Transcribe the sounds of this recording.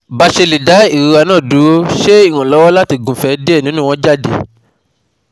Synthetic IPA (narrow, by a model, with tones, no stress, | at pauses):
ba˧ʃe˧li˨da˨˦i˨ɾi˧a˧nãː˦˨du˨˦wo˦ʃe˦i˦˨w̃ɔ̃˨lɔ˨˦wɔ˦la˦ti˧ɡũ˨fɛ˧de˦˨nĩ˨˦nũ˦w̃ɔ̃˧d͡ʒa˦˨dḛ˧˨